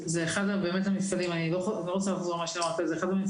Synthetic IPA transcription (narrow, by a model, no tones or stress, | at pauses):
zeːχad̪abe̞ːmethamifkadimaniloloχot͡salaːfzoʁmaʃamaʁt̪azeχad̪ami